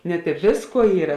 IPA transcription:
nʲɛt ɪ ˈʋʲeːsˌkuɔ ˈiːrɐ

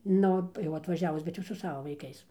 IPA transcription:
ˈnʊ jɛʊ ɐtʋɐˈʒʲæːʋʊs bʲɛt ˈjɛʊ sʊ ˈsɑːʋɐ ʋɐɪˈkɐɪs

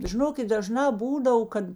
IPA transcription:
ʒʲɪˈnoːkʲɪt dɐˈʒnɑː ˈbuːdɐw ˈkɐt

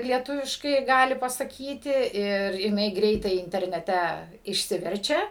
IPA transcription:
lʲiɛˈtʊʋʲɪʃkɐɪ ˈɡɑːlʲɪ pɐsɐˈkʲiːtʲɪ ɪr jɪˈnɐɪ ˈɡrʲɛɪtɐɪ ɪnʲtʲɛrʲnʲɛˈtʲɛ ɪʃʲˈsʲɪʋʲɛrʲt͡ʃʲɛ

